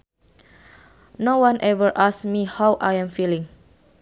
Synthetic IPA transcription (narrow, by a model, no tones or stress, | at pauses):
nowãnʔɛvəɹʔasmihawʔajɛ̃mfilĩŋ